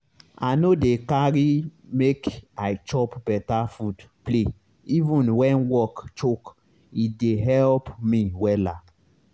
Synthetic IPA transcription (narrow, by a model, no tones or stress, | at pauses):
a̰nodekaɹimekajt͡ʃɔpbɛtafudple | ivũnwɛ̃nwɔkt͡ʃok | ideɦɛlpmiwɛla